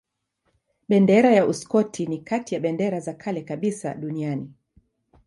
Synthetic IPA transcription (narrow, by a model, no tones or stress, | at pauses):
ɓɛndɛɾajauskɔtʰinikatijaɓɛndɛɾazakʰalɛkaɓisa̰ɗuniani